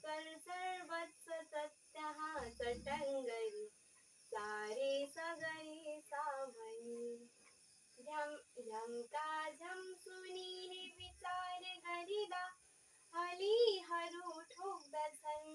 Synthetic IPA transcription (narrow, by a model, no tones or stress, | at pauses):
sɐɾsɐɾbɐt̪sɐsɐt̪jɐɦãsɐʈɐŋɡɐɾi | saːɾesɐɡɐɾesabɐni | d͡ʒɐmlʱɐmk̪aːd͡ʒʱɐmsuniniʋit͡ʃaːɾeɡɐɾid̪a | ɦɐliɦɐɾuʈʰoːk̚d̪ɐsʰɐn